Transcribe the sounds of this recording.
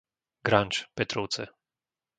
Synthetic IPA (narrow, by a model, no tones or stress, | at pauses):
ɡɾant͡ʃpɛt̪ɾɔw̪sɛ